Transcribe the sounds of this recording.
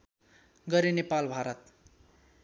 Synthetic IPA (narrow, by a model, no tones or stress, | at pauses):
ɡʌɾenepalbʱaɾʌt̪